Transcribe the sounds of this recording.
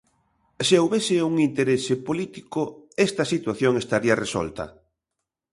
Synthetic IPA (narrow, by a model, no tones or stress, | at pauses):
seowβesɪuŋint̪eɾesɪpolit̪ikʊɛst̪ɐsit̪waθjoŋest̪aɾiɐresɔ̰lt̪ɐ̰